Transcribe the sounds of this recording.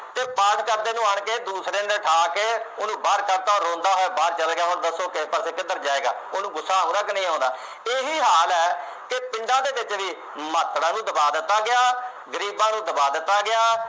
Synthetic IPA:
t̪eːpaːʈʰkəɾd̪eːnũːaːɳkeːd̪uːsɾeːnəlʈʰaːkeːoːnũːbaɾkəɾt̪aːɾõːnd̪aːɦoɛːbaːɾt͡ʃəlɡɪjaːɦoːɾd̪əsoːkɪspəɾseːkɪd̪əɾd͡ʒaːeːɡa̰ːoːnũːɡʊsːaːɦõːd̪aːkɪnə̃ːõːnd̪a̰ː | eːɦiːɦaːlɛː | kepɪ̃ɳɖãːd̪eːʋɪt͡ʃʋiː | mət̪ɽãːnũːd̪əbaːd̪ɪt̪ːaːɡɪjaː | ɡəɾiːbãːnũːd̪əbaːd̪ɪt̪ːaːɡɪjaː

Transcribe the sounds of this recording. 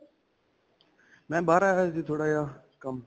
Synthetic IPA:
mɛ̃ːɓaːɾaːɦət̪iːt̪ʰoːɽaːjaː | kəm

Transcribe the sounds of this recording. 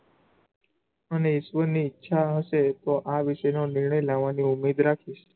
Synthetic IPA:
əneɪʃʋəniːtːʃʰaɦəʃet̪oʔaʋiʃenonɪɾɳəjlaʋːaniumed̪ɾakʰiʃ

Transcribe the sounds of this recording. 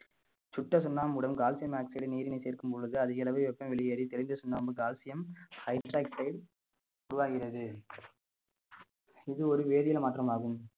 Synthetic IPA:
t͡ʃʊʈːɐsʊnːaːmʊɽɐmɡaːlsɪjɐmaːksɐɽɐniːɾɪnɐɪseːɾkɯmpɔɻɯðɯɐðɪɣɐlɐʋɐɪʋɛpːɐmʋɛɭɪjeːɾit̪ɛɭɪnd̪ɐsʊnːaːmbɯɡaːlsɪjɐmhɐɪʈɾaːk̚ʈɐɪɽ | ʊɾʊʋaːɣɪrɐðɯ | ɪðɯɔɾɯʋeːðɪjɪlmaːt̪ːɾɐmaːɣɯm

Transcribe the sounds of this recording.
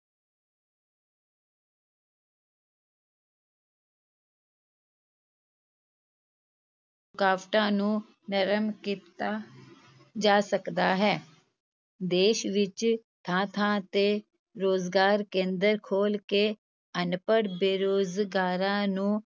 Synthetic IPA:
kaːpʈãːnũː | nəɾəmkiːt̪aː | d͡ʒaːsəkd̪aːɦɛː | d̪eːʃʋɪt͡ʃt̪ʰãːt̪ʰãːt̪eː | ɾoːzɡaːɾkẽːnd̪əɾkʰoːlkeː | ənpəɽbeːɾoːzɡaːɾãːnũː

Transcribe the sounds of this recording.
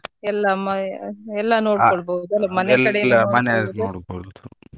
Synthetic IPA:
ɛlːɐmɐɛlːɐnoːɽkɔɭboud̪uɐlːɐmɐnɛlɐlːɐmɐnɛnoːɽboud̪u

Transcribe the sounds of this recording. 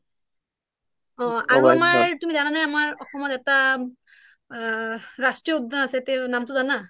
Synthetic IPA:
ɔ̃aɹuamaɹtumizananajamaɹɔxɔmɔtɛta | ɹastɹijɔudanasɛteʊnamtʊzana

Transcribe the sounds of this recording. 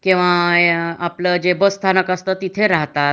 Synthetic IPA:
kĩw̃ʋa | apləd͡ʑebəst̪ʰanəkast̪ət̪it̪ʰeɾaɦt̪a

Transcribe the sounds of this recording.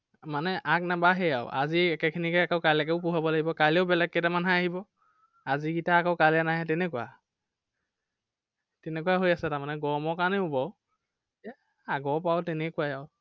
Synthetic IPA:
manɛʔaknabaɦɛja̰ʊʔa̰ziɛkɛkʰinikɛakaʊkalɛkɛʊpuɦabɔlaɡibɔkalɛʊbɛlɛkːetamanɦaaɦibɔ | aziɡitaːkɔkalɛnaɦɛtɛnɛkuwa | tɛnɛkuaɦojasɛtaɹmanɛɡɔɹmɔkanɛubɔ | ɛ | aɡɔpawtɛnɛkuajaʊ

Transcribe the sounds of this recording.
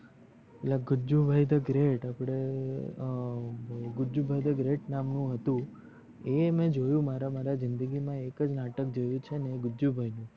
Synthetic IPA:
eʈlaɡʊd͡ʒubʱajd̪əɡɾeʈapɽ̃e | ɡʊd͡ʒubʱajd̪əɡɾeʈnamnũɦət̪ũ | emɛ̃d͡ʒojũmaɾamaɾazɪnd̪əɡimãekəd͡ʒnaʈəkd͡ʒojũt͡ʃʰeneɡʊd͡ʒubʱajnũ

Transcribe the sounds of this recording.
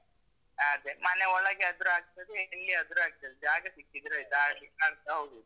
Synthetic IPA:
ad̪emaneɔɭɐɡeɐd̪ɾuaːɡ̚t̪ɐd̪eelːiɐd̪ɾuaːɡ̚t̪ɐd̪ed͡ʒaːɡɐsikːid̪iɾɐid̪asikːaːɡt̪aɦowd̪u

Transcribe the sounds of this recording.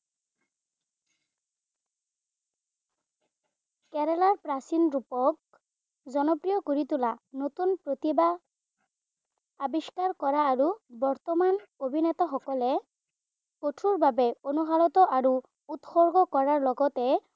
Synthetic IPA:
kɛɹɛlaɹpɹasinɹupɔk | zɔnɔpɹijɔkoɹit̪ulanot̪unpɹot̪iba | kabiskaɹkɔɹaːɹubɔɹt̪ɔmanobʱinɛt̪ɔxɔkɔlɛ | kotʰuɹbabɛonuɦalɔt̪ɔʔaɹu | ut̪xɔɹɡɔkɔɹaɹlɔɡɔt̪ɛ

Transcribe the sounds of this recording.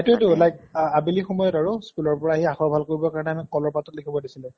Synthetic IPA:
etuetulajk̚abilixɔmɔjɔtaɹuskulɔɹpɔɹaːɦiaxɔɹbʱalkoɹibɔkaɹɔnɛamikɔlɔɹpatɔtlikʰibɔdisilɛ

